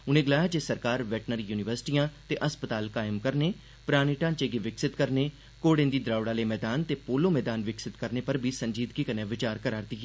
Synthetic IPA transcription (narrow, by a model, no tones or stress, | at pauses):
ʊnẽːɡəlaːjaːd͡ʒeːsəɾkaːɾʋɛːʈnəɾjuːnɪʋəɾsɪ̥ʈijãːt̪eːʔəspət̪aːlkaːɪmkəɾneː | pɾaːñiʈãːt͡ʃeːɡeːʋɪksɪt̪kəɾneː | koːɽẽːnd̪iːd̪ɾaːʊɽaːleːmɛːd̪aːnt̪eːpoːloːmɛːd̪aːnʋɪksɪt̪kəɾneːpəɾbʱiːsəɲd͡ʒiːd̪kiːkənẽːʋɪt͡ʃaːɾkəɾaːɾd̪i